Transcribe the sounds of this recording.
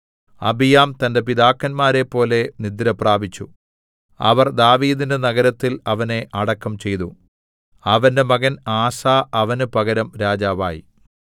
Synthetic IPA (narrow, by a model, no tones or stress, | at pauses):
ɐ̰bijaːmt̪ɐnde̞pid̪aːkːɐnmaːɾe̞pːo̞ːle̞nid̪ɾɐpraːbit͡ɕːu | ɐ̰ʋɐrd̪aːʋiːd̪inde̞nɐɣɐɾɐt̪ːilɐʋɐne̞ʔɐɽɐkːɐmt͡ɕe̞jt̪u | ɐʋɐnde̞mɐɣɐnaːsaːʔɐʋɐnupɐɣɐɾɐmɾaːd͡ʑaːʋa̰ːjḭ